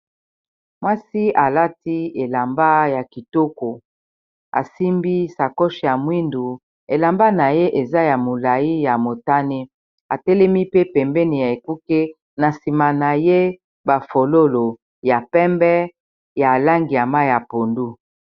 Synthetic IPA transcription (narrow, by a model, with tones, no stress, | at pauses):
mwa˦si˦a˨la˦ti˦e˨la˨mba˦ja˨ki˨to˦ko˨ | a̰˨si˦mbi˦sa˨ko˦ʃi˨ja˨mwi˦ndu˨ | e˨la˨mba˦na˨je˦ʔe˨za˦ja˨mo˨la˨ji˦ja˨mo˨ta˦ne˦ | a˨tɛ˦lɛ˦mi˦pe˦pɛ˨mbɛ˦ni˨ja˨e˨ku˦ke˦ | na˨si˨ma˨na˨je˦ | ba˨fo˨lo˦lo˨ | ja˨pɛ˦mbɛ˦ | ja˨la˦ŋɡi˨a˨ma˦ja˨po˨ndu˦